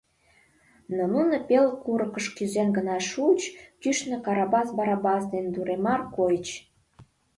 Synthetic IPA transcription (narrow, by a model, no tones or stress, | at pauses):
nonunopelkuɾəkəʃkyzenɡənɑʃut͡ɕkyʃnĕkɑɾɑbɑsbɑɾɑbɑsd̪end̪uɾemɑrkojt͡ɕ